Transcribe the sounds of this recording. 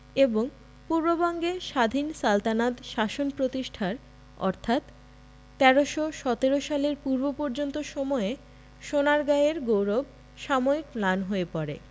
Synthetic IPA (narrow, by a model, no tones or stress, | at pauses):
eboŋ | puɾbobɔŋɡeʃad̪ʱinsalt̪anad̪ʃaʃonpɾot̪iʃʈʰaɾ | ɔ̰ɾt̪ʰat̪ː | ɛɾoʃoʃɔt̪eɾoʃaleɾpuɾbopɔɾd͡ʑont̪oʃɔmɔe | ʃonaɾɡaeɾɡowɾob̚ | ʃamoik̚planɦoepɔɾḛ